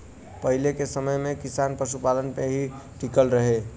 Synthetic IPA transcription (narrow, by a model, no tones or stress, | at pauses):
pəɦilekesəməjmẽkisanpɾəsupalənpeɦiʈikəlɾəɦe